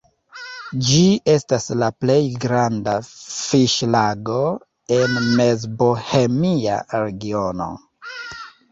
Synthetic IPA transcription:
d͡ʒie̞staslaple̞jɡɾandafiʃlaɡo̞ | e̞nmezbohe̞mia̰ɾe̞ɡio̞no̞̰

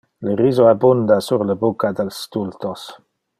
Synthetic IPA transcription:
ləɾizoabund̪asurləbukad̪ɛlst̪ult̪os

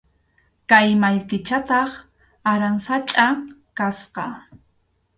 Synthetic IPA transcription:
kajmaʎkɪt͡ʃat̪ɑχ | aɾaŋsat͡ʃʼakasqɑ

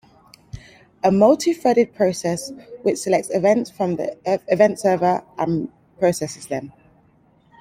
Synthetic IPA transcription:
əməʊlˠtʰɪfɛɾɪd̚pʰɹ̥əʊsɛswɪt͡ʃsɪlɛk̚tsɪvɛ̃ntsfɹə̃mð̰ɪvɛ̃ntsɜːvəɹʔə̃n | pʰɹ̥əʊsɛsɪzðə̃n

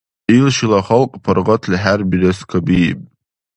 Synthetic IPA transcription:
ilʃilaχalkʼpʰarʁatʰlħarbilaskʰabijpʼ

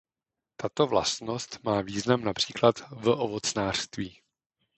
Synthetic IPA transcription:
t̪at̪ovla̰st̪no̞st̪maːviːznamnapr̝̥iːklat̪vʔovot͡snaːr̥st̪viː

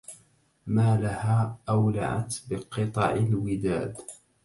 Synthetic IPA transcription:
maːlahaːʔawla̰ʕa̰t̪bɪqɨt̪ˤɑ̰ʕɪlwɪd̪aːd̪

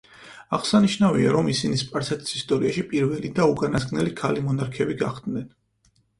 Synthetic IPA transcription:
aʁsaniʃnavia̰ɾɔmisinispʼaɾsɛt̪ʰi̥sist̪ʼɔɾiaʃipʼiɾvɛlid̪aukʼanasɡnɛlikʰalimɔnaɾkʰɛbiɡaχd̪nɛn

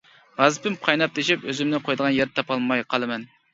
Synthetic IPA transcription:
ʁɑzɨpɪmqʰɑjnɑp̚d̪eʃɪpøzɪmnɪqʰojd̪əʁɑnjeɾt̪ʰɑpɑlˠmɑjqʰɑlˠɨmɛn

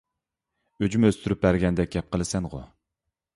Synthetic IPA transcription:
ød͡ʒymøst̪ʰyɾyp̚bæɾɡʲɛnd̪ɛk̚ʲɡʲɛp̚qʰəlˠɨsɛnʁʊ̰

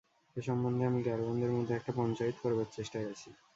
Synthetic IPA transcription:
eʃɔmbond̪ʱeamiɡɛɾbond̪eɾmod̪ʱːeɛk̚ʈapɔnt͡ɕait̪o̥koɾebaɾt͡ɕeʃʈaɡet͡ɕʰi

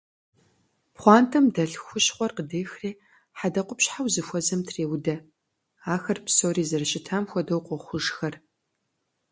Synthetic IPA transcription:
pχʷɑːntʰɐmdɐɬxʷʊɕχʷɔrqədeːxreː | ħadɐqʷʊpɕħawzɨxʷɔzɐmtʰreːwdɐ | aːxɐrpsoːriːzɐrɨɕʼɪtʰaːmxʷɔdɐwqʷɔχʷʊʒxɐr

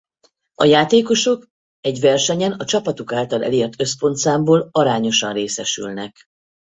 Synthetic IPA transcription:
ɒ̰jaːt̪eːko̞ʃo̞k | ɛɟʋɛrʃɛɲɛnɒt͡ʃɒpɒt̪ukaːlt̪ɒlɛ̰leːrt̪ø̞spo̞nt̪saːmboːlɒɾaːɲo̞ʃɒnreːsɛʃy̰lnɛk

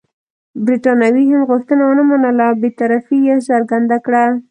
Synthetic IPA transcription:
bɾiʈɑnawiɦamɣʊxt̪ənawənamanəlabet̪aɾafijesaɾɡand̪akɽa

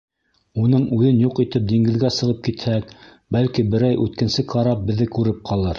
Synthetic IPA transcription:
unɤɴʉðɘnjuqit̪ɘp̚d̪iŋɡɘ̆ðɡæsɤ̆ʁɤp̚kit̪hæk | bælkibɘ̆ɾæjʔʉt̪kɘ̆nsɘkʰɑɾɑp̚bɘ̆ðɘkʉɾɘp̚qʰɑlˠɤɾ

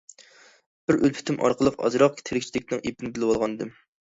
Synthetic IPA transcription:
b̥ɪɾølpʰy̥t̪ʰɪmʔɑ̰ɾqʰəlˠəqɑ̰zɾɑq̚kʲt̪ʰeɾɪkʲt͡ʃʰid̪ɪkʲnɨŋʔep̪̚ɪnɪbɪlɪwɑlˠʁɑnɨd̪ɨm

